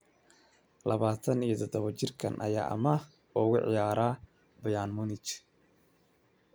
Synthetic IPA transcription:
lɐβaːt̪ʰɐnijɔt̪ʰɔd̪ɔβɐt͡ʃɪrkʰɐ̰nʔɐ̰ja̰ːʔɐ̰mɐ | ɔɣʊʕɪ̰jaːɾaː | bɐjaːnmʊnɪt͡ʃ

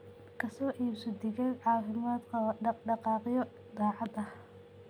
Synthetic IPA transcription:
kʰɐsɔːʔiːbsɔd̪ɪɣɐlʕɑːfɪmaːd̪ɔːɖɑqɑːqjɔ | d̪ɑːʕɑd̪ɐh

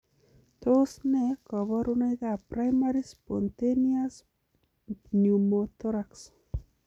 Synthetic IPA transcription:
t̪osnɛkɔβɔɾunajðapɾajmaɾispɔnt̪enias | njumot̪ɔɾaks

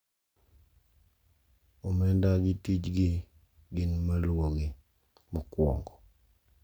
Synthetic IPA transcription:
omɛndaɡɪtit͡ʃɡɪ | ɡɪnmalwoɡi | mɔkwɔ̰ŋɡɔ

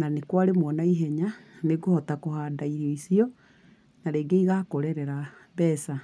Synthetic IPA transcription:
nanekwaɾemwɔnaiɦɛɲaneɡohɔtakohaːdaiɾiɔisiɔ | naɾeːɡeiɣakoɾɛɾɛɾa | bɛsa

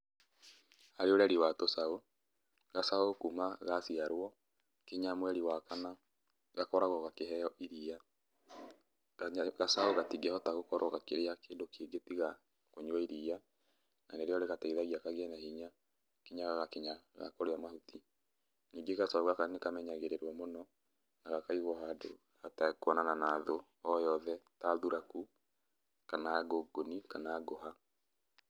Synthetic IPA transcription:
aɾeoɾaɾiwatosao | ɣasaokumaɣasiaɾwɔ | keɲamwɛɾiwakana | ɣakɔɾaɣɔɣakeɦɛjɔʔiɾija | ɣasaoɣatiɡɛhɔtaɣokɔɾɔɣakeɾeakeːndokʰeɡetiɣa | koɲwɔiɾija | naneɾeɔɾeɣataiðaɣiakaɣɛnahiɲa | keɲaɣaɣakeɲaɣa̰koɾeamahuti | niːŋɡeɣasaoɣakanekamɛɲaɣeɾeɾwɔmonɔ | naɣakaiɣɔɦado | hatakwɔnananaːðo | ɔjɔðɛtaðuɾaku | kanaːɡoɡonikanaːɡoɦa

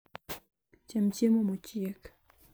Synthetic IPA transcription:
t͡ɕamt͡ɕʰemomot͡ɕijək

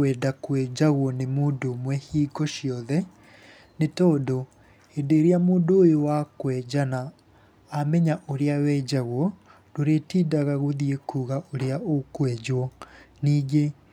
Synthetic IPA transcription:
wɛːdakwɛd͡ʑaɣwɔnemoːdomwɛhiːɡɔʃjɔðɛ | netɔdo | hedeɾiamuːndoojowakwɛd͡ʑanaː | mɛɲaʔoɾeawɛd͡ʑaɣwɔ | doɾetiːdaɣaɣoðiekuɣaʔoɾeaokwɛd͡ʑwɔniːɡe

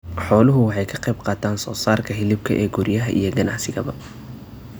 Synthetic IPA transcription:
ħɔːlʊɦʊwɑħɑjkʰɐqɛjbqɑːt̪ʰaːnsɔːsaːrkʰɐɦɪlɪb̚kʰɐʔɛːɡʊɾjɐɦɐʔḭjɔɡɐnɑʕsɪɣɐβɐ

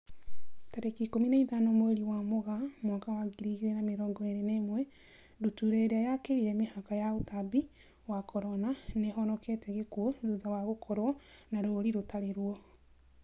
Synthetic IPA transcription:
taɾekikomineiðanɔmweɾiwamoɣamwakawaɡiɾiɣiɾɛnameɾɔŋɡɔeɾenemwɛ | dutuɾeɾeajakeɾiɾɛmehakajaotabi | wakʰɔɾɔnaneɦɔnɔkɛtɛɣekuɔðuðawaɣokʰɔɾwɔnaɾoɾiɾotaɾeɾwɔ

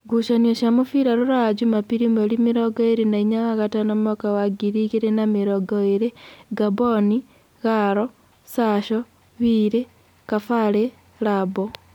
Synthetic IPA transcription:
ɡuʃanioʃamufiɾaɾuɾad͡ʒumapiɾimelimiɾoɡoiɾenaiɲaaɣatanomokawaɡiɾiɣiɾenamiɾoɡoiɾeɡaboni | ɣaɾo | saʃo | βiɾe | kafale | labo

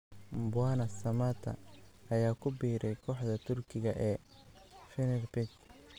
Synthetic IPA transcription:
mbʊaːnɐsɐmaːt̪ʰɐ̰ɐjaːkʰʊbiːɾɛjkʰɔːħd̪ɐt̪ʰʊrkʰɪɣɐʔɛː | fɪnɛrbɪt͡ʃ

